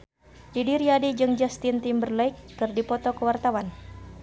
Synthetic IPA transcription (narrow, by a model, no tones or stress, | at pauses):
didiɾiadid͡ʒɨŋd͡ʒast̪int̪imbərlaikːɨrdipɔt̪ɔkəwart̪awan